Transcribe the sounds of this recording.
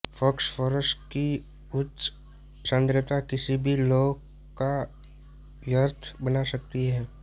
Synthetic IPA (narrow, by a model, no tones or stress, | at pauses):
fʰɔksfoɾəsʈki | ʊtː | sə̃nd̪ɾət̪akɪsibʱiloːɡ | ka | ʋjəɾt̪ʰbɐnasɐk̚t̪iɦɛː